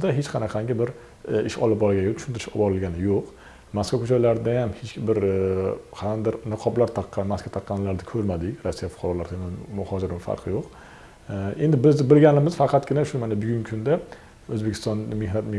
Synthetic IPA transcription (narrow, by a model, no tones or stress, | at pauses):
d̪aɦet͡ʃqʰɑnaqʰɑŋɡʲɪbɪɾ | ɪʃɒ̰lˠɪp̚bɒɾɪɡʲat̪ʰʊʃʊnt̪ɪɾɪʃɒbɒɾɪlɡʲanɪjoq | maskvakʰɵt͡ʃʰɒjlaɾɪd̪ajamhet͡ʃʲbɪɾ | qʰɑɾand̪ɪɾnɨqʰɒblaɾt̪ʰɑqːɑnmaskvat̪ʰɑqːɑnlaɾd̪akʲʰɵɾmad̪ɪɾasːijafʊ̥qʰɑɾɒlaɾt̪ʰɪmɪnmʊhɒd͡ʒɪɾɪmfa̰ɾqʰɨjoq | end̪ɪbɪzɪbɪlɡʲanɪmɪz̥fɑqʰɑt̪ɡʲɪnaʃʊmanabʊɡʲʊŋkʰʊnd̪a | ɵzbekʲʰɪst̪ɒnmehnat̪me